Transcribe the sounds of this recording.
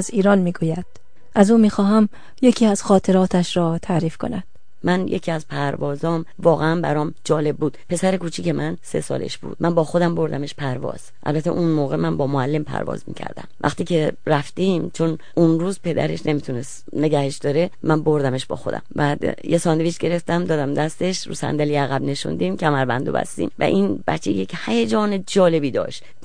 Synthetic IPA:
ziːɾɒːnmiːɡuːjæd̪̥ | ʔæzuːmiːxɒːɦæm | je̞cʰiːæz̥xɒːt̪ʰe̞ɾɒːt̪ʰæʃɾɒːt̪ʰæɾiːfkʰo̞̰næd̪̥ | mʔænjḛcʰiːæzpʰæɾvɒːzɒːm | vɒːɣeænbæ̰ɾɒːmd͡ʒɒːle̞b̚buːd̪̥pʰe̞sæɾekʰuːt͡ʃʰiːce̞mʔænse̞̰sɒ̰ːlḛʃb̥ṵːd̪̚mʔænbɒːxo̞d̪æmbo̞ɾd̪æ̰meʃpʰæɾvɒ̰ːz̥ʔæ̰lbæt̪ʰḛʔunmoːɣe̞mænbɒːmoælːe̞mpʰæ̰ɾvɒ̰ːzmḭːcʰæ̰ɾd̪æ̰mvæ̰xt̪iːcʰe̞ɾæft̪iːmt͡ʃʰo̞n | unruːzpʰe̞d̪æ̰ɾeʃnʔe̞mit̪ʰunes | ne̞ɡæheʃd̪ɒɾe̞mænbo̞ɾd̪æme̞ʃb̥ɒ̰ːxo̞d̪æ̰mbæd̪jesɒːnd̪eviʃɡe̞ɾe̞ft̪æmd̪ɒːd̪æmd̪æst̪e̞ʃɾṵːsæ̰nd̪æliæɣæbne̞ʃṵnd̪imcʰæmæɾbænd̪o̰bæ̰st̪ḭmvæ̰ʔinbæ̰t͡ʃʰːḛjechæjed͡ʒɒːned͡ʒɒːle̞biːd̪ɒ̰ːʃt̪

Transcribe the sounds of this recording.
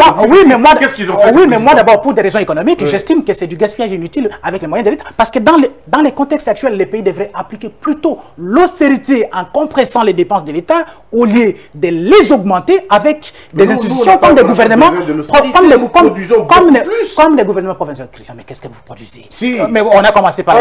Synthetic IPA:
ɔwimɛmwadɛsiɔ̃wimɛmwad̪abɔʁpuʁd̪eʁezɔ̃ekɔnɔmikʒɛst̪imkəsɛd̪yɡaspijaʒinyt̪ilavɛklɛmwajɛ̃d̪əlet̪apaʁsə̥kəd̪ɑ̃lɛd̪ɑ̃lɛkɔ̃t̪ɛkst̪ak̚t̪ɥɛlːɛpeid̪əvʁɛʔaplikʲeplyt̪olɔst̪eʁit̪eɑ̃kɔ̃pχɛsɑ̃lɛd̪epɑ̃sd̪əlet̪a | oljød̪əlezɔɡmɑ̃t̪eavɛk | d̪ɛzsɛ̃st̪it̪sjɔ̃kɔmd̪ɛɡuvɛʁnəmɑ̃pχɔɔmlɛkɔmd̪̃kɔmɛkɔmlɛɡuvɛʁnəmɑ̃pχɔvɛ̃sjɛld̪əkʁisjɛ̃mɛkɛskəvuupχɔd̪ɥizeimɛɔ̃nakɔmɑ̃sepaʁ

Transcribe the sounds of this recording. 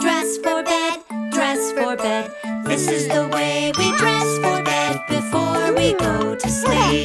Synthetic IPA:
d̥ɹɛsfə˞bɛd̚dɹɛsfə˞bɛd̪̚ðɪsɨzðəweɪwidɹɛsfə˞bɛd̚bɨfɔɹwiɡoʊɾɨsli

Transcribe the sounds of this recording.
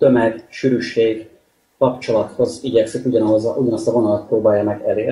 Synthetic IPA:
t̪ø̞mɛɡʃyɾyʃeːɡː | ɒpt͡ʃo̞lɒt̪ho̞ziɟɛksikuɟɒnɒɦozɒʔuɟɒnɒst̪ɒvo̞nɒlɒt̪̚proːbaːjɒmɛɡɛleːr

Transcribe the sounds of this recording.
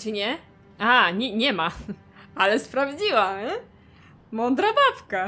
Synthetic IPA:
t͡ʂɘɲɛ | aɲɛɲɛma | alɛspɾavd͡ʑiwa | mɔnd̪ɾabapka

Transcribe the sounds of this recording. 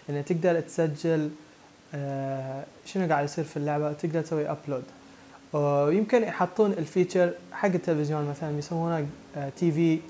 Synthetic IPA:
ʔɪnːat̪ɪɡd̪ɑɾˤt̪sad͡ʒːɪl | ʃɪnuɡaːʕd̪jsˤiːɾfilːʊʕbawt̪ɪɡd̪ɑɾˤt̪sawːiʔabloːd̪ | wjɪmkɪnjħɑt̪ˤːuːnɪlfiːt͡ʃɑɾˤħaɡːɪt̪ːɪlfɪzjoːnmaθalanbjsamːuhnakt̪ʰiːviː

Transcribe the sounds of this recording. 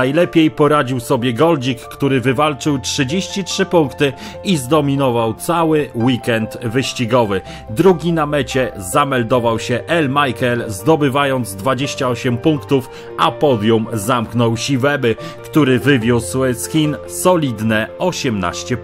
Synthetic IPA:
ajlɛpʲjejpɔɾad͡ʑiwsɔbʲjɛɡɔld͡ʑikːt̪uɾɘvɘvalt͡ʂɘwtʂɘd͡ʑeɕt͡ɕitʂɘpuŋkt̪ɘ | izd̪ɔmʲinɔvawt̪sawɘwikɛnt̪vɘɕt͡ɕiɡɔvɘ | d̪ɾuɡʲinamɛt͡ɕɛzamɛld̪ɔvawɕɛʔɛlmajkɛlzd̪ɔbɘvajɔnd̪zd̪vad͡ʑeɕt͡ɕaɔɕɛmpuŋkt̪uf | apɔd̪ʲjumzamknɔwɕivɛbɘkt̪uɾɘvɘvʲjuswsxʲin | sɔlʲid̪nɛɔɕɛmna̰ɕt͡ɕɛ

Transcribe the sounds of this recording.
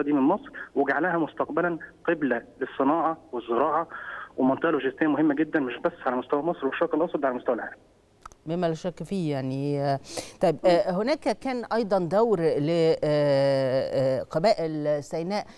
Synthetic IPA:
d̪iːmɪnmɑsˤɾweɡaʕalæhæmost̪ɑqbælænqeblælesˤːɨnɑːʕɑwezˤːɪɾɑːʕɑwemɑnt̪eʔɑloʒɪst̪ejːæmʊhemːæɡed̪ːænmɪʃbæsːʕalæmost̪æwæmɑsˤɾweʃːɑɾkelʔɑsˤɑd̪ʕalæmost̪æwælʕa̰ːlæm | memːælæʃækːfiːjaʕni | t̪ˤɑjebhonæːkækæːnʔɑjd̪ˤɑnd̪æwɾle | qɑbæːʔɪlsæjnæːʔ

